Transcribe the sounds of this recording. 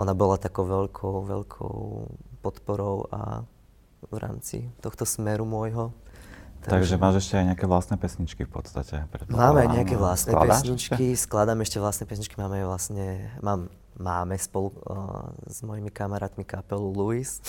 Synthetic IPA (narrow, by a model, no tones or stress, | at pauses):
ʔɔnabɔlat̪akɔʊʋɛʎkʰɔʊʋɛ̰ʎkʰɔ̰ʊʊpɔt̪pɔɾɔʊa̰ | vɾa̰ːmt͡sḭt̪ɔxt̪ɔsmɛɾumʊɔjɦɔ | t̪aaɡʒɛmaːʒɛʃcɛajɲɛakɛʋlast̪nɛpɛsɲit͡ʃkifpɔ̰t̪st̪acɛpɾɛt̪̚maːmajɲɛakɛʋlast̪nɛa̰pɛsɲit͡ʃkisklad̪aːmɛʃcɛʋlastnɛpɛs̬ɲit͡ʃkimaːmajʋlasɲɛmaːmː | aːmɛspɔlu | z̥mɔjimikamaɾaːt̪mikapɛluluis